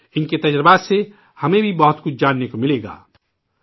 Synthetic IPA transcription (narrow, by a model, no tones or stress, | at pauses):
ɪnket̪ɐd͡ʒɾəbase | hɐmẽbʱibɐɦʊt̪kʊt͡ʃʰd͡ʒaːnːekomɪleːɡa̰ː